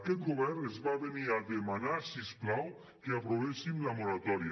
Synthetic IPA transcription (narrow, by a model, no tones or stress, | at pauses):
kɛt̪̚ɡoβɛɾnezβaβeniaðemanasisklaw | keapɾoβesimlamoɾat̪ɔɾja